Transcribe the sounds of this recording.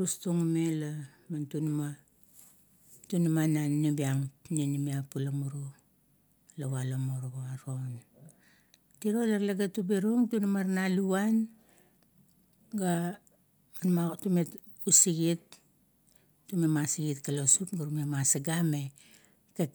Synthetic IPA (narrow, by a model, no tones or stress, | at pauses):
ɾustuŋumela | mantunma | tunumananibiaŋnenimiapulamuɾu | laβalomoɾoɡoaɾo̞n | tiɾolaɾlaɡatubeɾuŋtunumaɾnaluwan | ɡa | manmatumet | usiɡit | tːumemasiɡitkalo̞supɡaɾumemasaɡame̞ | ke